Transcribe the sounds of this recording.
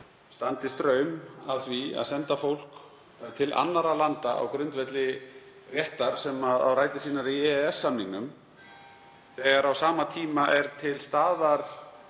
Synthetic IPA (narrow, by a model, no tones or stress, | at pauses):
st̪ant̪ɪst̪ɾœːɥmaðθvia̰ðsɛnt̪afowl̥k | t̪ʰɪlʔa̰nːaɾalant̪aʔa̰wkɾʏnt̪vɛt̪lɪ | rjɛht̪aɾ̥sɛmaða̰wɾaːjt̪ɪsiːnaɾiɛɛsːamniŋkʏm | θɛːɣaɾawsaːmat̪ʰiːmaʔɛɾ̥t̪ʰɪlst̪aːðaɾ̥